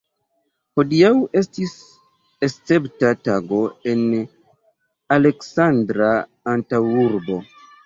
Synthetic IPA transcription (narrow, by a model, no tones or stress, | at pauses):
ho̞diawe̞stis | est͡se̞ptataɡo̞e̞n | ale̞ksandɾaː | ntawuɾbo̞